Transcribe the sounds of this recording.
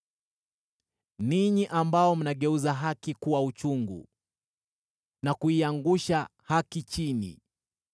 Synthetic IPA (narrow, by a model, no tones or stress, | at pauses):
niɲiʔambaɔm̩naɠɛuzaɦakikuwaut͡ʃuŋɡṵ | nakuiaŋɡuʃahakit͡ʃinḭ